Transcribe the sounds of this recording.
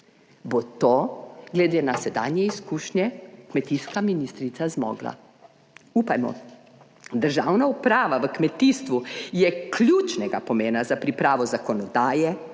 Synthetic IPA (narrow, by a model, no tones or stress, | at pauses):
bot̪oːɡlɛd̪eːnasɛd̪a̰ːnjɛiskuːʃnjɛkmɛt̪iskaminiːst̪ɾit̪sazmɔ̰ːɡla̰ | uːpajmɔ̰ | d̪əɾʒaːwnaupɾaːʋaʋəkmɛt̪ist̪ʋujɛklʲjut͡ʃnɛɡapɔmeːnazapɾipɾaːʋɔzakɔnɔd̪aːjɛ